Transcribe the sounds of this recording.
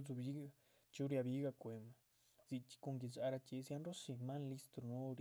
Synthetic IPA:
zu˧βi˦ɣa˧ | t͡ʃu˦ɾja˧βi˦ɣa˧kʷe˨˧mã˧ | z̥i˧t͡ʃi̥˧ko˧ŋɡi˧za˧ɾa˧t͡ʃe˧si˧a˦nɾo˦si˧mã˦nli˦st̪ɾo˧no˦˧ɾ

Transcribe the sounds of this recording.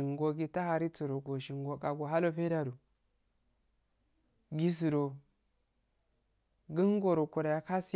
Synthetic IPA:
i˨ŋɡo˨ɡi˦ta˦ha˨ɾi˦t͡su˨ɾo˨ɡo˨ʃi˨ŋɡo˨ka˨ɡo˨ɦa˦lo˨fe˦da˦du˨ | ɡi˦s̬u˨ɾo˨ | ɡi˦ŋ˦ɡo˨ɾo˨ku˨ɾa˨ja˨ka˦si˦

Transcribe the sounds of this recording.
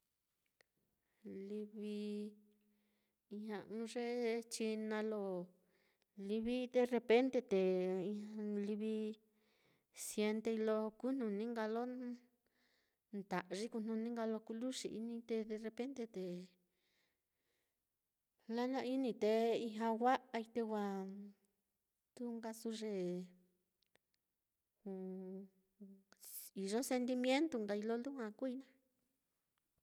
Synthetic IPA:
li˧βi˧ | i˧hã˧ʔɨ̃˧˦ʐe˦t͡ʃi˧nã˧lo˧ | li˧βi˦ðe˧re˧pe˦nt̪e˧t̪e˨˧ | li˧βi˧ | sje˧nt̪e˧i˧lo˧ku˦n̥nũ˧nĩ˦ŋɡa˧lo˦ | nt̪a˨ʔʐi˦ku˧n̥ũ˧nĩ˦ŋɡa˧lo˧ku˧lu˦ʂḭ˨ʔḭ˧nĩ˧t̪e˧ðe˧re˧pe˦nt̪e˧t̪e˨ | la˦nã˧i˦nĩ˧t̪e˧i˧ɦã˧wa˦ʔa˧i˧t̪e˧wa˧ | t̪u˦ŋɡa˧su˧ʐe˧ | u˧ | i˨ʐo˦se˧nt̪̬i˧mj̃ẽ˦nt̪u˧ŋɡa˧i˧lo˦lu˦hã˧ku˦i˧nã˦

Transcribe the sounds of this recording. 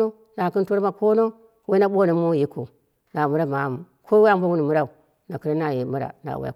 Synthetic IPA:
o˦ | na˨ki˦n˦to˦ɾma˦˨ko˦no˦ | we˦na˦ɓo˦no˨˦mo˦ji˦ko̰˨ | na˨mu˦ɾa˦ma˨m˨ | kʰo˦we˦a˦mbo˦wu˦ni˨mu˦ɾa˦u˨ | na˨ki˦ɾa˦na˨ji˨mu˦ɾa̰˨na̰˨wa̰˦˨

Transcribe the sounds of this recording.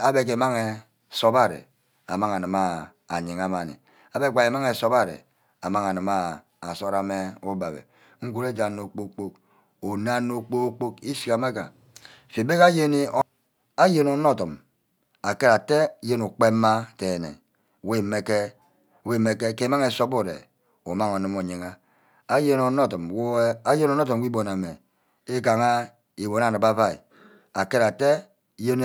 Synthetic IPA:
a˦be˦k̬e˨˦ma˦ŋe˨ | so˦ba˦ɾḛ˨ | a˨ma˦ŋa˨nɨ˨ma˦ | a˨ɲi˨ŋa˨ma˨nḭ˨ | a˨be˦ɡ͡ba˨e˨ma˦ŋe˨so˦ba˦ɾḛ˨ | a˨ma˦ŋ˨a˨nɨ˨ma˦ | a˨so˦ɾa˨me˦u˦ba˨bḛ˨ | ŋ̩˦ɡu˦ɾe˦d͡ʒa˨nːo˨k͡po˦k͡po˦k | o˨na˦nːo˦k͡po˦k͡po˦ki˦si˨ka˨ma˦ka˨ | fi˨be˦ka˦je˦ni˦ | a˦je˦nu˨˦no˦tɔ˨m | a˨ke˦ɾa˨te˦je˦nu˨k͡pe˦mːa˦te˨nḛ˨ | we˦˨me˨ke˦˨ | we˦˨me˦ke˦ke˦ma˦ŋe˨so˦o˦˨ɾḛ˨ | o̰˨ma˦ŋo˨nɨ˦mo˨ɲe˨ŋa˦ | a˦je˦no˨˦no˦tɔ˨mwo˦a˦je˦no˦no˦tɔ˨m˨wi˦bo˨na˨me˨ | e˦ka˨ŋa˦ | i˨bo˨na˨nɨ˨ba˦va˦ḭ˨ | a˨ke˦ɾa˨te˦ | je˦n˦

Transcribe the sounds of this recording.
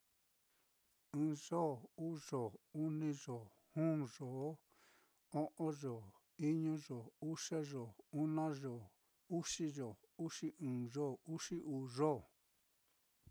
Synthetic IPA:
ɨ̃ː˨˧˨ʐo˦˨uː˦ʐo˨u˦nĩ˧ʐo˨ | hũː˦˨ʐo˨˦ | o˦ʔõ˦ʐo˨ | i˦ɲũ˦ʐo˨u˦ʂe˦ʐo˨u˦nã˦ʐo˨ | u˦ʂi˦ʐo˨ | u˦ʂi˦ʔɨ̃ː˨ʐo˦u˦ʂi˦ʔuː˨ʐo˦˨

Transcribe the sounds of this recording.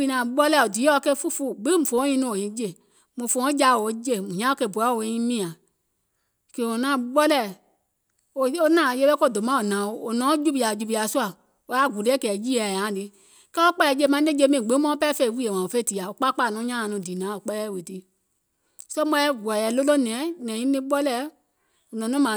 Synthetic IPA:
i˧nã˨ɓɔ˦lɛ˦˨o˨di˨˦ɔ˧kɛ˧˦fu˦fu˦ɡ͡bĩ˦˨fõ˨˦ɲĩ˧˦nũ˧˨o˨ɲĩ˨˦d͡ʒe˧˨ | mũ˨fõ˧˦d͡ʒa˧˦˨o˨˦d͡ʒe˦˨mũ˨ɲã˦o˧˦kɛ˧˨bu˨a˨˦˨o˨˧˨ɲĩ˦mĩ˦˨ã˨ | ke˨o˨nãː˨˦ɓɔ˦lɛ˦˨ | o˧o˧nãː˦˨je˧˦ɓɛ˦ko˦˨do˨mã˦o˨nãː˨o˨o˨nɔ̃ː˨˦d͡ʒu˦bi˨˧a˨d͡ʒu˧bi˧a˨su˦a˨ | o˨˧˦a˦˨ɡu˨lɛ˦kɛː˨ji˦ɛ˨ã˨˦˨di˨˦ | kɛ˦o˦k͡pa˧lɛ˧˦d͡ʒe˧˦˨mã˧˦nẽ˦d͡ʒe˧˦mĩ˨ɡ͡bẽ˨˦mɔ̃˦pɛ˦fɛ˧˨i˨wi˦e˨wã˨o˨fɛ˦˨ti˨a˨o˨k͡pa˦k͡pa˧˨nɔ̃˨˦ɲã˦ã˧˨nũ˧˨di˨nã˨˦o˨k͡pɛ˧lɛ˦˨we˨ti˦ | sɔ˦mɔ̃˧˦ɛ˦ɡɛ˨jɛ˨˦lo˦lo˦˨nɛ̃˨˦nɛ̃˨ĩ˦nĩ˦ɓɔ˦lɛ˦ | o˨nɔ̃˨˦ɔ̃˦mã˨

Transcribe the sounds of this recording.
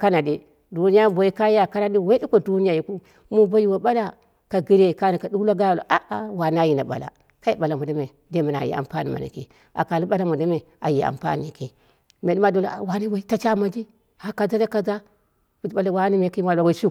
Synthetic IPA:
ka˦na˨di˦ | du˦ni˦ja˦bo˨i˦ka˦ja˨ka˦na˦di˦we˦di˦kʷo˦˨du˦ni˦ja˨ji˨ku˦ | mu˦ba˦ji˦wa˨ɓa˦la˦ | ka˨ɡi˦ɾe˦˨ka˦ni˨ka˨du˦wla˦ɡa˦˨lo̰˨ʔa˦ʔa˨wa˨na˦ji˨na˨ɓa̰˨la̰˨ | ka˦ji˨ɓa˨la˨mu˨da˦me˨ | de˦mi˨n˨a̰˨jḭ˨a̰˨mpa˦ni˨ma̰˨na̰˨kḛ˨ | a̰˨ka˨li˦ɓa˦la˦mu˨da˦me˨ | a̰˨ji˨a̰˨mpa̰˦n˨i˨ke˨ | me˨di˦ma˦do˨˦la˨wa˨ni˦wa˨˦i˦ta˦t͡ʃa˦ma˨d͡ʒi˦ | ha˨ka˨za˦da˦ka˨za˦ | bu˨˦ɓa˦la˨wa˦ni˦me˨ka˦a˨a˨wa˨˦su˦

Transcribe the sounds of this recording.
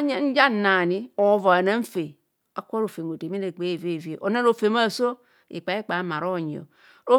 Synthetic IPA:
ɲ˦n̩˦d͡ʒa˦˨na˨ni˦o˨˦va˨na˦ɱ̩˦fe˨ | a˨kʷo˦ɾo˨fe˨ŋo˨te˨mi˦ne˨ɡ͡be˦˨ve˦˨vi˦e˨ʔo˨na˦ɾo˨fe˨ma˦˨so˦ | ḭ˨k͡pa˨˦e˦k͡pa˨˦ma˨ɾo˦˨ɲ˨o̰˨ | o˦

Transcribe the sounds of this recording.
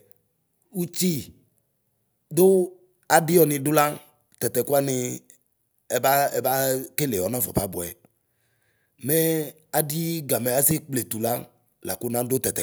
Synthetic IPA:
wu˦t͡ɕi˦ | d̪o˦ | a˨ɖɪ˦jɔ˨nĩ˨ɖʊ˦la˦ | t̪ɛ˨t̪ɛ˨ku˦a˦nɪ̃˨ | ba˦e˨va˦ke˦le˨ɔ˨˦nã˦vɔ̰˨pa˦bɔ˨ɛ̰˨ | mɛ˦ | a˨di˦ɡa˨me˨a˦si˦k͡ple˨t̪u˨la˦ | la̰˨ko˦nã˦do˦t̪ɛ˨t̪ɛ˨

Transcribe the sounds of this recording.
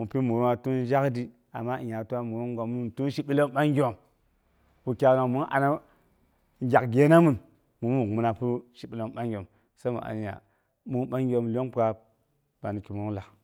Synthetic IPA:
mu˨pi˦mu˨ɾu˦na˨tu˦n˦ʒa˦kdi˦ | a̰˨ma˦i˨ja˨tu˦wa˦mu˨ɾo˦ŋ˦ɡo˨mu˦˨tu˦n˦ʃi˨ɓi˦lo˦mɓa˦ŋ˦ɡʲo˨m | pu˨kʲa˨na˨mu˦n˦ʔa̰˨na˦ | ŋ˦ɡʲa˨kɡʲe˦na˦mu˨n | mu˨mu˦˨mu˦na˨pu˦ʃi˨ɓi˦˨lo˨˦mɓa˦ŋ˦ɡʲo˨m | sa˦mṵ˨a̰˨n˨ja̰˨ | mu˦ɓa˦ŋ˦ɡʲo˨mlʲo˦ŋpa˨ | b̥a˨ni˨ki˨mo˦ŋ˦la˨

